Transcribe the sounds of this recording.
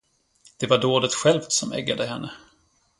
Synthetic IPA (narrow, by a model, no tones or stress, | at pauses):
d̪̥ɛvaɖoːd̪ət̪ɧɛlvt̪sɔmɛ̰ɡːad̪əɦɛnːə